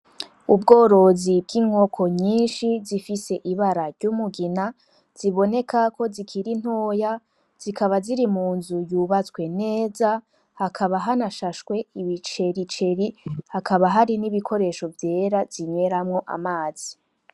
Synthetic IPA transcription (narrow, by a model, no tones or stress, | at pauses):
ub̚ɡo̞ːɾo̞zibɡiŋo̞kʰo̞ɲiːnʃizifise̞ʔiβaɾaɾɟumuɡina | z̥iβo̞ne̞kʰako̞zikʰiɾin̥hoːja | z̥ikʰaβaziɾimuːnzujuβat͡swe̞ne̞ːza | hakʰaβaɦanaʃaʃkwe̞iβit͡ʃe̞ɾit͡ʃe̞ɾihakaβaɦaɾiniβikʰo̞ɾe̞ʃo̞vje̞ːɾaz̥iɲe̞ɾamŋo̞ʔa̰maːz̥i